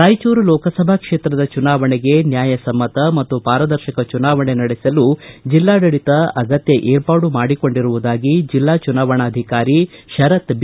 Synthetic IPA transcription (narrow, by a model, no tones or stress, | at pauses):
ɾaːjt͡ʃuːɾulɔːkɐsɐbʱakʂe̞ːt̪ɾɐd̪ɐt͡ʃunaːʋɐɳeɡe̞njaːjɐsɐmːɐt̪ɐmɐt̪ːupaːɾɐd̪ɐɾʃikɐt͡ʃunaːʋɐɳenɐɽesɐlud͡ʒilːaːɖɐɽit̪ɐɐɡɐt̪jɐʔeːɾpaːɽumaːɽiko̞ɳɖiɾuʋud̪aːɡid͡ʒilːaːt͡ʃunaːʋɐɳaːd̪ʱikaːɾiʃɐɾɐt̪b